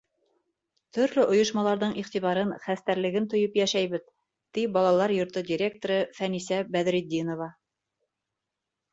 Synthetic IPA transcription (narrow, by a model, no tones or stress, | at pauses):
t̪ʰɵ̆ɾlɵʔŏjŏʃmɑlˠɑɾðɤɴʔiχt̪iβɑɾɤnχæst̪æɾlɘ̆ɡɘnt̪ŏjɤpjæʃæjβɘð | t̪ibɑlˠɑlˠɑɾjŏɾt̪ɤdʲiɾʲe̞k̚t̪oɾɤfænisæbæðɾid̪ʲinovɑ